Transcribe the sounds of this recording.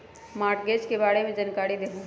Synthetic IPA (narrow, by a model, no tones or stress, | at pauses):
maːɾʈɡeːd͡ʒkebaːɽebʱid͡ʒankaːɽid̪eːɦũ